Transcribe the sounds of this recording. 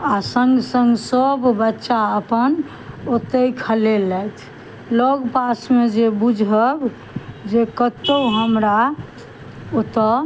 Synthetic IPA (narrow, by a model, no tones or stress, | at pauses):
asəŋɡsəŋɡsəbbətːʃaəpən | ot̪əjkʰəlelɛjt̪ʰ | lɔɡpasmed͡ʒebud͡ʒʱəb | d͡ʒekət̪əuɦəmɾa | ot̪ə